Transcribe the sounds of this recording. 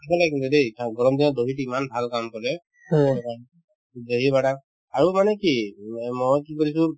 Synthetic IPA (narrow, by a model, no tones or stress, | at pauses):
ɛkʰɛlakint̪ud̪ejʰaɡɔɹɔmd̪inɔd̪oɦiʈiimanbʱalkamkɔlɛ | a | doɦibaʈa | aɹumanɛkimɔjkikɔɹisũ